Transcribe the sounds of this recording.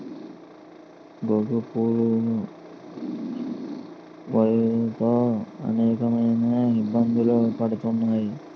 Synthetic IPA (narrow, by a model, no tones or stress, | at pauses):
ɡoɡupuːɾu | ʋɐjt̪oːɐ̰nɛːkɐmɐjnɐibːɐnd̪ʱilopɐɽut̪unːaːji